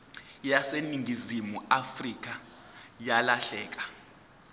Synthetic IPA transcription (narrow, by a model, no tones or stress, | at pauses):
jaseniŋɡʱizimuafrik̬ʼa | jalaɬɛːk̬ʼḁ